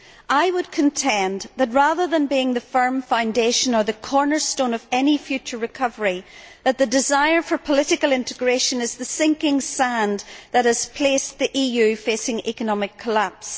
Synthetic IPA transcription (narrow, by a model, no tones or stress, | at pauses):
ʔaɪwəd̚kʰə̃ntʰɛ̃nðət̬̚ɹaðə˞ðə̃nbiɪ̃ŋðəfɜ̃˞mfãʊ̃ndeʃə̃nə˞ðɨkʰɔɹnə˞stõnʌvɛnifjʉt͡ʃə˞ɹɨkʰʌvə˞i | ðət̪̚ðɨdɪzaɪə˞fə˞pʰəlˠɪɾɪkəlˠɪ̃ntɪɡɹeʃə̃nɨz̥ðəsɪ̃ŋkɪ̃ŋsãnðət̚hɨz̥pʰl̥esðiʔijʉfesɪ̃ŋɛkənɔmɪkʰːəlaps